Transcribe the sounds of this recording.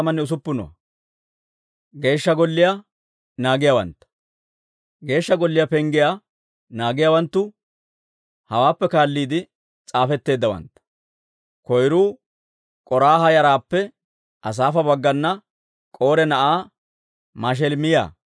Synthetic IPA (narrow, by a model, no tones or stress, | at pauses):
mɐnːɛʊs̬ʊpːɪnɔ̰wɐ̰ | ɡe̞ːʃːɐɡɔlːɪja | naːɡɪjawɐ̰nt̪ːɐ̥ | ɡe̞ːʃːɐɡɔlːɪjɐpɛŋɡɪja | naːɡɪjawɐnt̪ːʊ | hɐwaːpːɛkaːlːiːd̪ɪ | t͡sʼaːfɛt̪ːe̞ːd̪ːɐwɐ̰nt̪ːɐ̥ | kɔjɾuː | kʼɔɾaːhɐjɐɾaːpːɛ | ʔɐs̬aːfɐbɐɡːɐnːɐ | kʼo̞ːɾɛnɐʔaː | maːʃ̬ɛlmɪja̰ː